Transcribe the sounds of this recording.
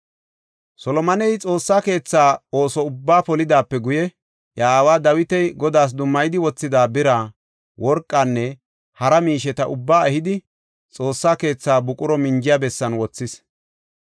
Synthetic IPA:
sɔlɔmɐnɛjt͡sʼo̞ːsːaːke̞ːt͡sːaːo̞ːsɔʊbːaːpɔlɪd̪aːpːɛɡʊjɛ | jaːwaːd̪ɐwɪt̪ɛjɡɔd̪aːs̬d̪ʊmːɐjɪd̪ɪwɔt͡sːɪd̪aːbɪɾaː | wɔɾkʼːanːɛ | hɐɾɐmiːʃɛt̪ɐʔʊbːaːɛhɪd̪ɪ | t͡sʼo̞ːsːaːke̞ːt͡sːaːbʊkʼʊɾɔmɪnd͡ʒɪjabɛsːɐnwɔt͡sːɪs

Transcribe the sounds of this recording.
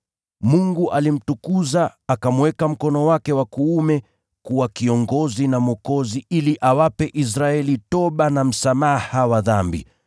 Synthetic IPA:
muŋɡuʔalim̩tukuzaːkamwɛkam̩kɔnɔwakɛwakuːmɛ | kuwakiɔŋɡɔzinamɔkɔziiliʔawapɛʔis̬ɾaɛlitɔɓanam̩samahawaðambḭ

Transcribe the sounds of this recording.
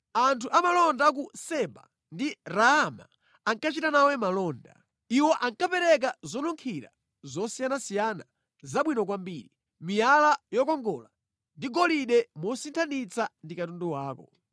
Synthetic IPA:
antʰuʔamalɔndak̬usɛba̰ | ndiɾaːma̰ | aŋkat͡ʃitanawɛmalɔːnda̰ | iwɔʔaŋkapɛɾɛk̬azɔnuŋkʰiɾa̰ | zɔsijanasijana | zaɓwinɔkwambiːɾi | mijalajɔkɔŋɡɔla | ndiɡɔliɗɛmɔsintʰanit͡sandikatundɔwaːkɔ̰

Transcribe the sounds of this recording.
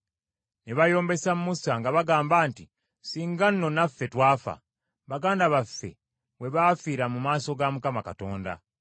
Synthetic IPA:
neβajo̞ːmbe̞sammusaŋɡaβaɡaːmbaːnti | siːŋɡanːo̞nafːe̞twaːfa̰ | βaɡaːndaβafːe̞̰ | we̞βafiːɾamumaːso̞ɡamukamakato̞ːnda̰

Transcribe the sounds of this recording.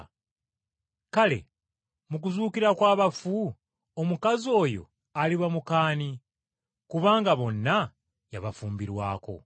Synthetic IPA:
kale̞̰ | muk̬uzuːkiɾakwaːβafu | omukazio̞ːjo̞̰ | aliβamukaːni | kuβaːŋɡaβo̞nːa | jaβafuːmbiɾwa̰ːko̞̰

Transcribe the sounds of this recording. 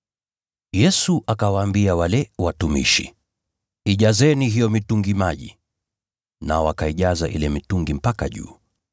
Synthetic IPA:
jɛsuʔakawaːmbiawalɛwatumḭʃḭ | iʄazɛniɦijɔmituŋɡimaʄḭ | naɔakaiʄaza̰ʔilɛmituŋɡim̩paka̰ʄṵː

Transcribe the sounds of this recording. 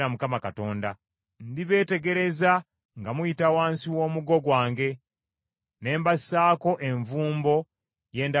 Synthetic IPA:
ɾamukamakato̞ːnda | ndiβe̞ːte̞ɡe̞ɾe̞za | ŋɡamujitawaːnsiwo̞ːmuɡo̞ɡwaːŋɡe̞ | ne̞ːmbasaːko̞ʔe̞ɱvuːmbo̞ | je̞ːnda

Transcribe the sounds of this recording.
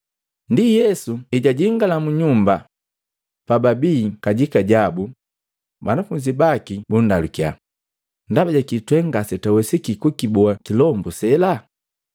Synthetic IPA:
ndijɛsuiɟaɟiŋɡalamuɲumba | pababiːkaɟikaɟabu | banafuɲd͡ʒibakibundalukja | ndabaɟakitwɛŋɡasɛtawɛsikikukibuakilɔmbɔsɛla

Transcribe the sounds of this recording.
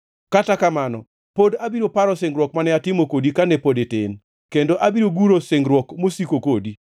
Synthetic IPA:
katakamanɔ̰ | podabiɾopaɾɔseŋɡɾwɔk̚manɛatɪmokodikanɛpodeten | kendoʔabiɾoɡuɾoseŋɡɾwɔkmosikokodi

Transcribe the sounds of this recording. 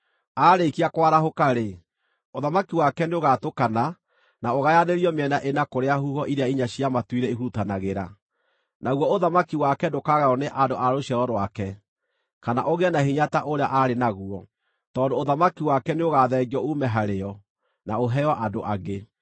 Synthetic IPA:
aɾekiakwaɾaɦokaɾe | oðamakiwakɛneoɣatokana | naoɣajaneɾiɔmeɛnaʔenakoɾeahuhɔʔiɾeaiɲaɕiamatwiɾɛiɦutanaɣeɾa | naɣwɔoðamakiwakɛdokaɣaɔneʔadoʔaɾoɕɛɾɔɾwakɛ | kanaʔoɣɛnahiɲataʔoɾeaʔaɾenaɣuɔ | tɔːndoːðamakiwakɛneoɣaðɛːɡiɔumɛɦaɾeɔ | naoɦɛjɔʔadoʔaɡe

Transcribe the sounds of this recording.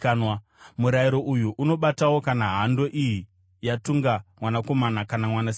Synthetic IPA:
nwa | muɾaiɾo̞ʔujuʔuno̞ɓatawo̞kanaɦando̞ʔiji | jatuŋɡamwanako̞manakanamwanas

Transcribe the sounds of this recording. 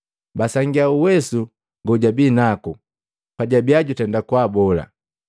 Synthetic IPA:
basaŋɡiauwɛsu | ŋɡuɟabiːnaku | paɟabiaɟutɛndakwaːbɔla̰

